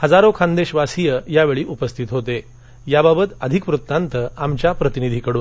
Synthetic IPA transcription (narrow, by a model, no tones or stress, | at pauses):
həd͡zaɾokʰãnd̪eɕʋasijəjaʋeɭiːʔupəst̪ʰit̪ɦot̪e | jababət̪əd̪ʱikpɾut̪ːant̪əamt͡ɕjapɾət̪inid̪ʱiːkəɽuːn